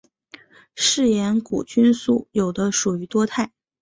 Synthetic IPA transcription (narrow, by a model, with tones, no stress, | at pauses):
ʂɻ̩˥˩jɛ˧˥nkṵ˨˩t͡ɕy˥nsu˥˩jo˨˩ʊd̪ə˦ʂu˨˩y˧˥t̪wɔ˥t̪ʰa˥˩ɪ